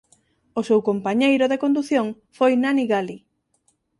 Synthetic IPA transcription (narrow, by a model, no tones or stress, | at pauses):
osewkompaɲejɾʊðekond̪uθjoŋ | fojnaniɣali